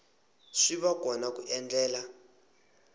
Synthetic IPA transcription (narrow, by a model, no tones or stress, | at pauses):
ʂiɓakɔnak̬uʔɛnd͡ɮɛːla